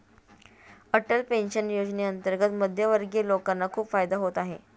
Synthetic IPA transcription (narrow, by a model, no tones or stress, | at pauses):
əʈəlpenɕənjod͡ʑneənt̪əɾɡət̪məd̪ʱjəʋəɾɡelokanːakʰuːpfajd̪aɦot̪aɦe